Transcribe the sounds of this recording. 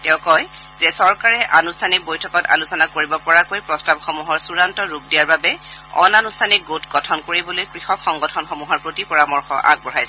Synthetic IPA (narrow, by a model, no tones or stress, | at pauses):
tɛʊ̃kɔj | zɛsɔɹkaɹɛʔanustʰanik̚bojtʰɔkɔta̰lusɔnakoɹibɔpɔɹakojpɹɔstabxɔmuɦɔɹsuɹantɔɹup̚dijaɹbabɛɔ̰nanustʰanik̚ɡotɡɔtʰɔnkoɹibɔlojkɹixɔkxɔŋɡɔtʰɔnxɔmuɦɔɹpɹotipɔɹamɔɹxɔ̰ʔa̰ɡ̚bɔɹajsɛ